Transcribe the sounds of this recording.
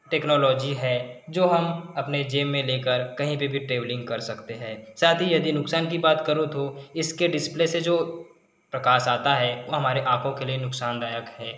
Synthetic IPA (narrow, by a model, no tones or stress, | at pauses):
ʈɛːknɔːlɔːd͡ʒiɦɛːd͡ʒoːɦɐmɐpned͡ʒeːmːẽleːkəɾkɐɦĩpebʱiʈɾeːblɪ̃ŋɡkɐɾsɐkt̪eɦɛ̃ːsaːt̪ʰijɐd̪inʊksaːnk̬ibaːt̪kɐɾũt̪ʰoɪskeɖɪsplesed͡ʒoː | pɾɐkaːʃaːt̪aɦɛʋoːɦɐmaːɾeʔãːkʰõkelienʊksaːnd̪aːjəkhɛː